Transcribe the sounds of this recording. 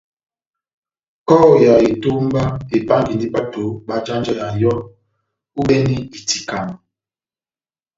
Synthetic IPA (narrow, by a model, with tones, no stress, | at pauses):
kɔː˦˨ja˨i˨to˦m˦ba˦e˨pa˦ŋ˦ɡi˨ndi˦ɓa˦to˨˦ɓa˦d͡ʒa˦nd͡ʒɛ˦ja˨jɔ˦ | u˦ɓɛ˦ni˦i˨ti˨ka˨ŋ˨